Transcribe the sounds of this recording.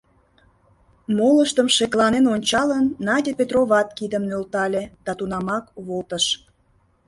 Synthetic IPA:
moləʃt̪əmʃeklˠɑnenonʲt͡ɕɑlənːɑdʲepet̪roβɑt̪kid̪əmnølt̪ɑlʲed̪̥ɑt̪unɑmɑkβolt̪əʃ

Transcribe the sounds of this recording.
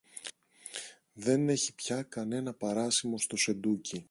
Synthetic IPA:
ðe̞ne̞çipçɐkɐne̞nɐpɐɾɐsimo̞st̪o̞se̞nd̪uci

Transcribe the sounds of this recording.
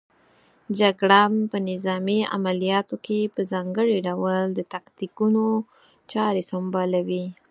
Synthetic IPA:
d͡ʒaɡɽampənɪzɑmia̰malijɑt̪okʰepəzɑŋɡəɽiɖawld̪ət̪akt̪ikuno | t͡ʃɑɾesambɑlawi

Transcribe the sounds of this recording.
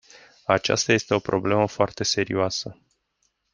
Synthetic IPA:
at͡ʃa̰st̪aje̞st̪e̞o̞pɾo̞ble̞məfoart̪e̞se̞ɾioasə

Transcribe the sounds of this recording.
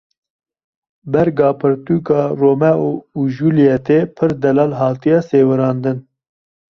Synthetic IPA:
bɛɾɡɑːpʰɨɾt̪uːkɑːroːmɛuuʒuːlijɛt̪epʰɨɾd̪ɛlɑːlɦɑːt̪ijɑːseːwɨɾɑːnd̪ɨn

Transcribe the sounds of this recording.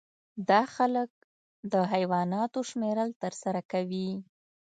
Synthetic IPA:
d̪ɑxalək̚ | d̪əɦajwɑnɑt̪oʃmeɾəlt̪əɾsaɾakawi

